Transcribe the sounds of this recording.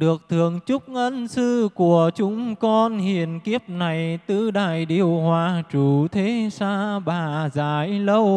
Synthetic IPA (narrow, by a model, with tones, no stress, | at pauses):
ɗɨ˨˩ək̚t̪ʰɨ˨˩əŋt͡ɕʊ˦˥k͡p̚ʔə˧nsɨ˧ku˧˩ət͡ɕʊ˨˦ŋ͡mkɔ˧nhi˨˩ənki˦˥əp̚na˨˩jt̪ɨ˧ɗaː˧˩jɗi˧˩əwhwaː˧˩t͡ɕu˨˩t̪ʰe˨˦saː˧ɓaː˧˩zaː˨˦jlə˧w